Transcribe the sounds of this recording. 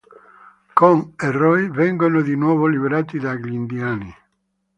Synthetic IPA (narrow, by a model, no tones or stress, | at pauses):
koŋerɔjβeŋɡonoðinwɔβoliβeɾat̪iðaɡlind̪jani